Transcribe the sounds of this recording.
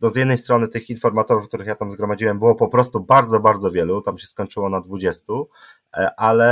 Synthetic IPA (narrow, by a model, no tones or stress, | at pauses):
d̪ɔzjɛd̪nɛjst̪ɾɔnɘt̪ɘxinfɔɾmat̪ɔɾufkt̪uɾɘxjat̪amzɡɾɔmad͡ʑiwɛmbɘwɔpɔpɾɔst̪ubaɾd̪zɔbaɾd̪zɔvʲjɛlut̪amɕɛskɔɲt͡ʂɘwɔnad̪vud͡ʑɛst̪u | ʔalɛ